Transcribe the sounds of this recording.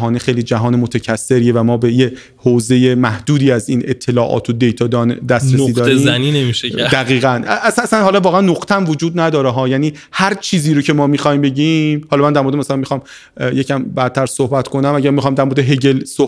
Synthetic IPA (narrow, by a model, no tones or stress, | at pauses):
ɦɒːnexejliːd͡ʒæɦɒːnemot̪ʰæcʰæsːe̞ɾievæmɒːbe̞je | hoːze̞jemæhd̪uːd̪iːæziːne̞t̪ʰːe̞lɒːʔɒ̰ːt̪ʰod̪e̞jt̪ʰɒːd̪ɒːnd̪æst̪ɾesiːd̪ɒːɾizæninemiʃed̪æɣiːɣænʔæsæsænɦɒlɒːvɒːɣeænːoqt̪ʰeæmvod͡ʒuːd̪næd̪ɒːɾeɦɒːjæːniː | hæɾt͡ʃʰiːziːɾocʰe̞mɒːmixɒːhimbe̞ɟimhɒlɒmænd̪æɾmo̞ɾed̪emæsælænmixɒːm | jecʰæmbædt̪ʰːæɾso̞hbæt̪kʰo̞næmæɟæɾmixɒːmd̪æɾmoɾed̪eɦe̞ɟelso